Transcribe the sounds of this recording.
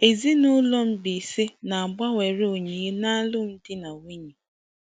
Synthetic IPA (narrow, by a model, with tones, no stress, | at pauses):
e˨zi˦no˦lo˦m̩˦bi˨se˦na˨a˨ba˦we˨ɾe˦o˨ɲe˨je˦na˦lʊ˦m̩˦dɪ˦na˨we˦ɲi˨